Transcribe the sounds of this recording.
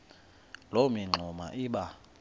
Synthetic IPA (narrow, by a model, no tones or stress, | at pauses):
lomiŋ͡ǃʱuma̰ʔiːɓa